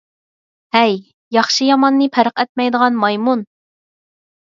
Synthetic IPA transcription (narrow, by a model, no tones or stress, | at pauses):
hɛj | jɑχʃijɑmɑnːɨpʰæɾəqɛt̪̚mɛjd̪əʁɑnmɑjmun